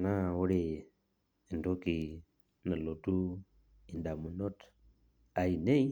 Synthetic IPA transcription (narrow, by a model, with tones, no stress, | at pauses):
na˦wu˦ɾi˨ | i˨ndo˦ki˨ | na˨lo˨tu˦ | i˨nda˨mu˨no˦t | a˨ji˨ne˦i˦